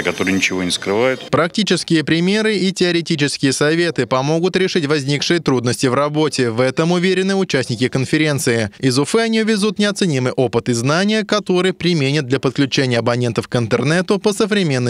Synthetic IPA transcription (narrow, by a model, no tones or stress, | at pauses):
kɐt̪o̞ɾɨjnʲɪt͡ɕɪvo̞nʲɪskɾɨvajʊt̪pɾɐk̚tʲit͡ɕɪskʲɪjəpɾʲɪmʲe̞ɾɨitʲɪəɾʲɪtʲit͡ɕɪskʲɪjəsɐvʲe̞t̪ɨpɐmo̞ɡʊt̪ɾʲɪʂitʲvɐzʲnʲikʂɨjət̪ɾud̪nəsʲtʲɪvrɐbo̞tʲɪvɛt̪əmʊvʲeɾʲɪnɨʊt͡ɕæsʲnʲɪkʲɪkənfʲɪɾʲe̞nt̪sɨɪɪzʊfɛɐnʲivʲɪzut̪nʲɪɐt̪sɨnʲimɨjʔo̞pɨt̪ɨznanʲɪjəkɐt̪o̞ɾɨjpɾʲɪmʲenʲɪt̪̚d̪lʲɐpət̪̚klʲʉt͡ɕenʲɪjəɐbɐnʲe̞nt̪əfkɪnt̪ərnɛt̪ʊpəsəvɾʲɪmʲe̞nːɨ